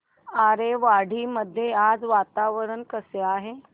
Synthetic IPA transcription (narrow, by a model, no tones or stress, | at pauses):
aɾeʋaɽ̤iːməd̪ʱːjead͡zʋat̪aʋəɾənkəseaɦe